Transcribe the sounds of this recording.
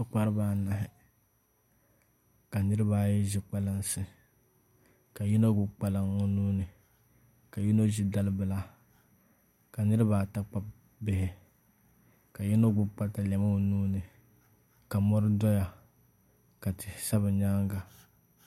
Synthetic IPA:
ʊ˦k͡pa˦ɾɨ˦baː˦˨na˨ɦɪ˨ | ka˨nɨ˦ɾɨ˦baː˦jɛ˦ʒɪ˦k͡pa˦lɨ˦nsɨ˨ | ka˨ji˦no˦ɡʊ˦k͡pa˦lɨ˦ŋo˦nuː˦nɨ˨ | ka˨ji˦no˦ʒi˦da˦lɨ˦bɨ˨la˦ | ka˨nɨ˦ɾɨ˦baː˦˨ta˦k͡pa˦b | bɪ˦hɪ˨ | ka˨ji˦no˦ɡʊ˦k͡pa˦ta˨la˨ma˦˨nuː˦nɨ˨ | ka˨mɔ˦ɾɨ˦dɔ˦ja˨ | ka˨tɪ˨sa˦bɨ˨ɲaː˦ŋɡa˨

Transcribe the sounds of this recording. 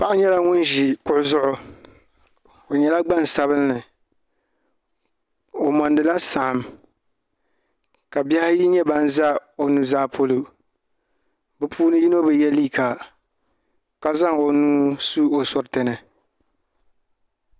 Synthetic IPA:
pa˦ʔɪ˦ɲɛ˦la˦ŋʊ˦n˦ʒi˨kʊ˦ʔʊ˦zʊ˦ʔʊ˦ | o˨ɲɛ˨la˦ɡ͡ba˦n˨sa˨βɨ˦lːɨ˨ | o˨mɔ˨ndɨ˨la˦sa˨ʔa˨m | ka˨bɛ˦hɪ˦ji˦ɲɛ˦ba˦n˦za˦o˨nu˨zaː˦pʰo˦lu˦ | bɨ˨pʰuː˦nɨ˦ji˦no˦bɨ˨jɛ˦liː˦˨ka˨ | ka˨za˦˨ŋo˨nuː˦su˦o˨sɔ˦ɾtɨ˨nɨ˨

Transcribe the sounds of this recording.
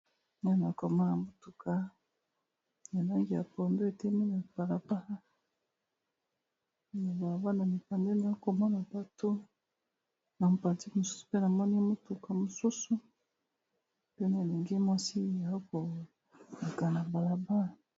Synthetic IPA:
na˦n˨a˨ko˨mɔ˦na˨mo˦tu˨kʰa˦ | na˨na˦ŋɡi˨ja˨po˨ndo˦e˨te˦me˦na˨b̥a˨la˨ba˦ | na˨ba˨la˨ba˦na˨mi˨ka˨nde˦na˨o˦ko˨mɔ˦na˨ba˨to˦ | na˨m˨pa˨ti˦mo˨su̥˦su̥˨pe˦na˨mɔ˦ni˦mo˦tu˨ka˨mo˨su˦su˦ | pe˦na˨e˨le˨ŋɡe˦mwa˦si˦˨ja˨o˦ko˨ | a˨ka˨na˨ba˨la˨ba˦a˨

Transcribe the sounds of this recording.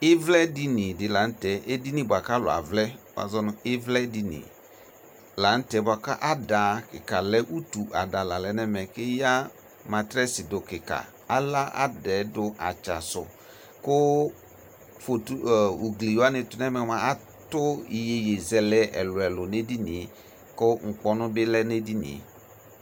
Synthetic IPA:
ɪ˦vlɛ˦di˦nĩ˨dɪ˨la˨˦n̩˦tɛ˨˦ʔe˦di˦nĩ˦bʊ˨a˨ka˦lʊ̰˨a̰˨vlɛ˦bw̰a̰˨zɔ˦nʊ̃˦ɪ˦vlɛ˦di˦nḭ˨ | la˨˦n̩˦tɛ˨˦bʊ˨a˨ka˦ʔa˦da˨˦kɪ˨ka˨lɛ˦ʔu˦tu˨ʔa˨da˨la˨lɛ˨˦nɛ˦mɛ˨kɪ˦ja˦ | mã˨tɾɛ˦sɪ˨dʊ˨kɪ˨ka̰˨ | a˦la˦ʔa̰˦dɛ˨˦dʊ˦ʔa˨t͡ʃa̰˨sʊ̰˨ | kʊ˦ | fo˨tu˦˨u˨ɡli˨jo˦a˦nɪ˨tʊ˨nɛ˦mɛ˨˦mã˨a˦ | tʊ˦i˨je˨je˨zɛ˨lɛ˦ʔɛ̰˨lʊ˨ɛ˨lʊ˨ne˦di˦nɪ˨˦ | kʊ˦ŋ̩˨k͡pɔ˦nʊ̃˦bɪ˦lɛ˦ne˦di˦nḭ̃˨˦

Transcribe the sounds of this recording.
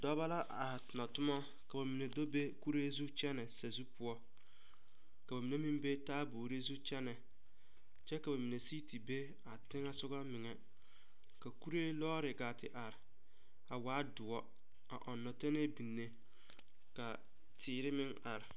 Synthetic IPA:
dɔ˦ba˦la˦ʔa˨ha˨tɪ˨na˨tʊ˦ma˦ | ka˨ba˨mi˨ne˨do˦be˦ku˦ɾeː˦zu˦t͡ʃɛ˦nɛ˨sa˨zu˦pʊ˦ɔ˦ | ka˨ba˨mi˨ne˦mĩ˦mbe˦taː˦boː˨ɾe˦zu˦t͡ʃɛ˦nɛ˨ | t͡ʃɛ˦ka˨ba˨mi˨ne˨si˦ti˨be˦ | a˨tɪ˦ŋa˦sʊ˦ɡa˦mɪ˨ŋɛ˨ | ka˨ku˦ɾe˦lɔː˦ɾɪ˨ɡaː˨tɪ˨ʔa˨ɾɪ˨ | a˨waː˨˦dʊ˨ɔ˦ | a̰˨ʔɔ˨nːɔ˨te˦ne˦bi˨nːe˦ | ka˨ | tʰɪː˨ɾɪ˦mɪ˦ŋa̰˨ɾɪ˨

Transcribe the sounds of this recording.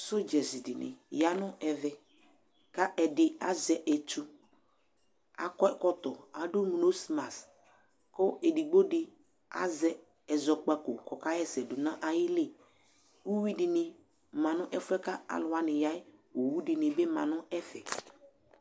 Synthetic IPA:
sʊ˦d͡ʒɛ˨zi˨dɪ˨nɪ̰˨ja˦nʊ̃˦ɛ˨vɛ˨ | ka˦ʔɛ˨dɪ˨a˨zɛ˨ʔɛ˨tu˦ | a̰˨kɔ˦kɔ˦t̪ɔ˨a˨dʊ˦m˨o˦si˨ma˨s | kɔ˦e˨di˨ɡ͡bo˦dɪ˨ | a̰˦zɛ˦ | ɛ˨zɔ˨k͡pa˦ko˨kɔ˨ka˦jɛ˦sɛ˨dʊ˨nã˦ʔa˨jɪ˦lɪ˦˨ | u˦wi˦dɪ˨nɪ˨ | mã˨nʊ̃˦ʔɛ˦fɛ˦ka˦a̰˨lʊ˨˦a˦nɪ̃˨ja˦ɪ˦wo˨wu˦dɪ˨nɪ̃˨bɪ˦mã̰˨nʊ̃˦ɛ˦fɛ˨

